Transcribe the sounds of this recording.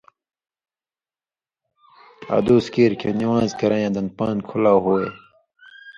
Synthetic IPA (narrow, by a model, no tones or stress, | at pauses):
a̰ːd̪uːskiːɾkʰeniwãːzkɐɾãjãːd̪ɐnpãːnkʰulaːɦoːeː